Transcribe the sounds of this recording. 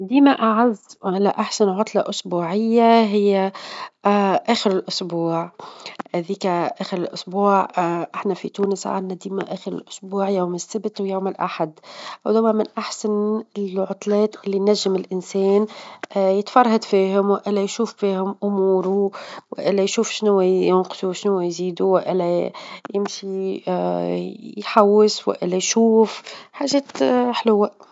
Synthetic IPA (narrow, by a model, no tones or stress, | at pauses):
d̪iːmaʔaʕazːʔɪlæʔaħsanʕʊt̪ˤlɑʔʊsbuːʕɪjːaɦɪjːæ | ʔæːxɪɾɪlʔʊsbuːʕʔðiːkaʔæːxɪɾɪlʔʊsbuːʕʔɪħnafḭt̪uːnɪsʕa̰d̪nad̪iːmæ̰ʔæːxɪɾɪ̰lʔʊ̥sbuːʕjawmɪsːɪbt̪wjawmɪlʔa̰ħad̪wd̪ʊwmæmɪnʔaħsanɪlʕʊt̪ˤlɛːt̪ʔɪlːinnːæʒːɪmɪlʔɪnsɛːnjɪt̪fɑrˤhad̪fiːɦʊmwʔɪlːæjʃuːffiːhʊmʔʊmuːɾuwɪ̰ʔɪlːæjʃuːfʃnʊwæjɪnqsuʃnʊwːæjziːd̪uwɪʔɪlæjɪmʃi | jħawːɪswɪ̰ʔɪ̰lːæjʃuːfħaːʒɛːt̪ħlʊwa